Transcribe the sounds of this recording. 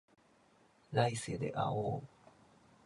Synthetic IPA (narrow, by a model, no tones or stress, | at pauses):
lajsed̪ḛʔa̰o